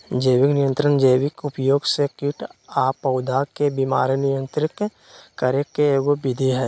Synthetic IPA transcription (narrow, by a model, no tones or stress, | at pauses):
d͡ʒeːʋɪknɪjə̃nt̪ɾənd͡ʒeːwɪkʊpjoːɡsekɪʈaːpəʊd̪ʱakebimaːɾnɪjə̃nt̪ɾɪt̪ | kəɾekeːɡobɪd̪ʱiɦɛː